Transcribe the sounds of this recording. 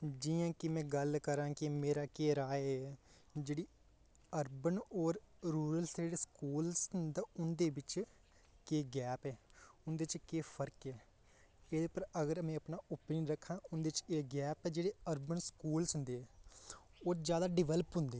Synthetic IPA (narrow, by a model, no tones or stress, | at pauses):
d͡ʒijãːkɪmɛ̃ːɡəlkəɾãːkɪmeːɾaːkeːɾaːɛ | d͡ʒeːɽiː | əɾbənɔːɾɾuːɾəlseːɽeskuːlsnd̪aːʊnd̪eːʋɪt͡ʃ | keːɡɛːpɛːʊnd̪eːt͡ʃkeːpʰəɾkɛː | eːd̪eːpəɾəɡəɾmɛ̃ːəpnaːʔʊpninɾəkʰːãːʊnd̪eɪt͡ʃeːɡɛːpɛːd͡ʒeːɽeːəɾbənskuːlsɦʊ̃nd̪eːɛː | oːd͡ʒjaːd̪aːɖɪʋɛːləpɦʊ̃nd̪eː